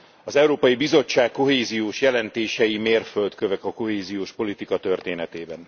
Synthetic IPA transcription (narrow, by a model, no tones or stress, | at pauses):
ɒzɛwɾoːpɒjibizo̞t͡ʃːaːkːo̞ɦeːzijoːʃjɛlɛnt̪eːʃɛjimeːrfølt̪køvɛkɒko̞ɦeːzijoːʃpo̞lit̪ikɒt̪ø̞rt̪eːnɛt̪eːbɛn